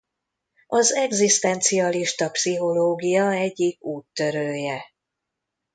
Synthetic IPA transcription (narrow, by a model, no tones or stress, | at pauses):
ɒzɛɡzist̪ɛnt̪sijɒliʃt̪ɒpsiɦo̞loːɡijɒɛɟːikuːt̪ːø̞ɾøːjɛ